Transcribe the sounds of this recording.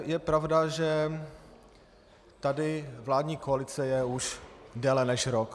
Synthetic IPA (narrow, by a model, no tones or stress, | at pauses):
jɛpɾavdaʒɛ | t̪adɪvlaːdɲiːkoalɪt͡sɛjɛuʃdɛlɛnɛʃɾok